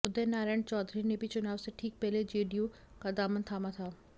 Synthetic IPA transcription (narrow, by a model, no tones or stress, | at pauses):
ʊd̪enaːɾaːɳt͡ʃɔːd̪ʱɾinebʱit͡ʃʊnaːʋseʈʰiːk̚pɛɦled͡ʒeːɖiju | kad̪aːmənt̪ʰaːmat̪ʰaː